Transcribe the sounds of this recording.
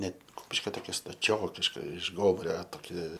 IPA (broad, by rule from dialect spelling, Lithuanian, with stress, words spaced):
ˈnʲɛt ˈkʊpʲɪʃʲkʲoː toːˈkʲɛ stɐˈt͡ʃʲoːkʲɪʃkɐ ɪʃ ˈɡoːmʊrʲɛ toːˈkʲɪ